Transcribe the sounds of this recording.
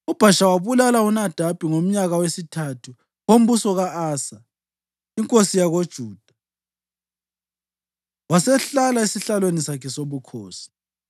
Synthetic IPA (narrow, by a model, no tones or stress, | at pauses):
ub̥ʱaʃawaβulalaunad̥ʱab̥ʱʼiŋom̩ɲaɣawesitʰatʰu | ɣom̩busɔɣaʔaːsa | iŋkʼosijaɣod̥ʒ̥ʱuːd̥ʱa | wasɛɬalaisiɬalwenisakʰɛsoβukʰoːsi̥